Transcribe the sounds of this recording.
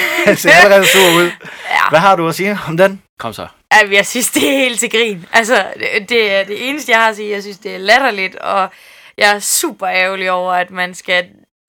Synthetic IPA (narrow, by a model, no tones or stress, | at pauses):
se̝ɐæləʁɛð̩ˠsuɐ̰uð̞̰ˠæʋæɦɑ̈duɐsiːɒ̽md̥enkʰɒ̽m̰sɒ | æmjɑ̈ɪsynsd̥e̝æɐhe̝̰ːld̥t͡sʰe̝ɡ̥ʁḭːnʔælsɒd̥e̝æɐd̥e̝ʔe̝ːnəsd̥əjɑ̈ɪhɑ̈siːjɑ̈ɪsynsd̥e̝æɐlæɾ̥ɐlid̥ɒ̽ | jɑ̈ɪæɐsṵːb̥ɐɛʊliɒʊ̰ɐæd̥mænsɡ̥æ